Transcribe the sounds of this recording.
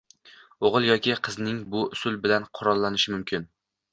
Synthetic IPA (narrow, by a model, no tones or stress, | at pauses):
oʁɨlˠjɒkʲʰɪqʰɨznɪŋbʊʊsʊlˠbɪlanqʰʊɾɒlˠːanɪʃɪmʊmkʲʰɪn